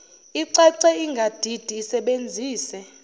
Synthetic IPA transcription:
iǀɛǀɛiŋɡʱad̥ʱid̥ʱiːsɛɓend͡zʱiːsɛ

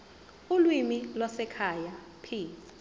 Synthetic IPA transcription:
ulwimilwasɛkʰaja | pʰiː

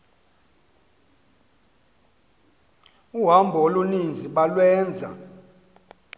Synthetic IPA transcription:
uɦambʱɔolunind͡zʱiɓalwɛːnd͡zʱa̰

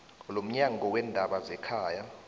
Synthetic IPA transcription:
lom̩ɲaŋʱɔwɛndʱaɓazɛkʰaːja

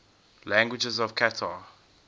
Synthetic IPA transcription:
læ̃ŋɡwɪd͡ʒɛzɔv̥kʰatʰa

